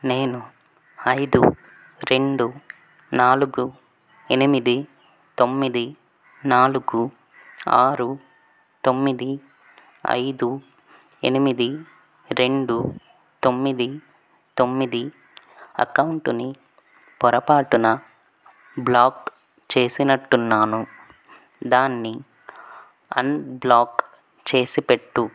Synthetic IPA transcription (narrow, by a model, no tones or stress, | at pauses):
ne̞ːnu | ɐjd̪ṵ | ɾe̞ɳɖu | naːluɡu | enimid̪i | t̪o̞mːid̪i | naːluɡu | a̰ːɾu | t̪o̞mːid̪i | ɐ̰jd̪u | ḛnimid̪i | ɾe̞ɳɖu | t̪o̞mːid̪i | t̪o̞mːid̪i | ɐ̰kɐwuɳʈuni | pɔɾɐpaːʈunɐ | blaːk | t͡ʃe̞ːsinɐʈːunːaːnu | d̪aːnːi | ɐ̰nblaːk | t͡ʃe̞ːsipeʈːu